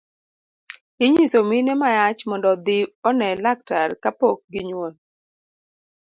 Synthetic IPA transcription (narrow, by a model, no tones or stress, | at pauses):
ɪɲisominɛmajat͡ʃmɔndɔd̪ɪɔnɛlak̚taɾkapok̚ɡɪɲwon